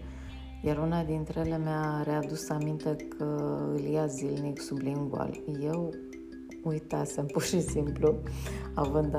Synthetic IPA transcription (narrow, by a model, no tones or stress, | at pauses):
jaɾunad̪int̪ɾeelemaɾead̪usamint̪e̞kʰəɨ̰lijazilniksublimɡua̰lje̞w | ujt̪asempurʃisimpluavɨnd̪